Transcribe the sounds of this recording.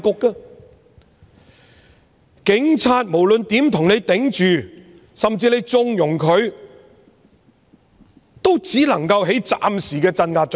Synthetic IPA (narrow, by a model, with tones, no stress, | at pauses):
kʊ˧kːaː˧ | kɪ˨˥ŋt͡sʰaː˧t̚mo˨˩wlɵ˨nt̪iː˨˥mt̪ʰʊ˨˩ŋne˨˧jt̪ɪ˨˥ŋt͡ʃyː˨ | sɐ˨mt͡siː˧le˨˧jt͡sʊ˧ŋjʊ˨˩ŋkʰɵ˨˧ɥ | t̪o˥wt͡siː˨˥lɐ˨˩ŋkɐ˧wɦe˨˥jt͡sa̰ː˧msiː˨˩kɛː˧t͡sɐ˧nŋaː˧t̚